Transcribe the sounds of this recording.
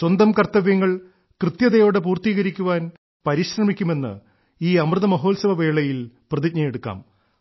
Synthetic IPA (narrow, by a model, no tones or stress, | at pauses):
ɕwɐnd̪ɐmkɐrt̪ːɐʋjɐŋːɐɭ | krɨt̪jɐðɐjo̞ːɽep̬uːrt̪iːɣɐɾikʲːuʋaːn | pɐɾiɕrɐmikʲːume̞nːɨ̰ | iːɐmrɨðɐmɐɦo̞ːlsɐʋɐʋe̞ːɭɐjilprɐðik̚ɲɐjeɽukːa̰ːm